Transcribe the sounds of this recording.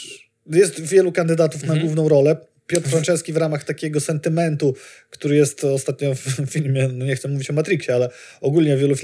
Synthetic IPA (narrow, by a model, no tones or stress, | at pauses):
jɛst̪vʲjɛlukand̪ɘd̪at̪ufnaɡwuvnɔ̃w̃ɾɔlɛ | pʲjɔt̪ɾfɾant͡ʂɛskʲivɾamaxt̪akʲɛɡɔsɛnt̪ɘmɛnt̪ukt̪uɾɘjɛst̪ɔst̪at̪ɲɔfːʲilmʲjɛnɔɲɛxt̪sɛmuvʲit͡ɕɔmat̪ɾikɕɛalɛɔɡulɲɛvʲjɛlufʲi